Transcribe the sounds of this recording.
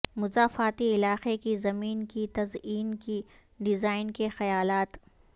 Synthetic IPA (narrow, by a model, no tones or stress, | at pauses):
mʊzaːfaːt̪iɪlaːqekizɐmiːnkit̪ɐziːnki | ɖɪzaːɪnkexɐjaːlaːt̪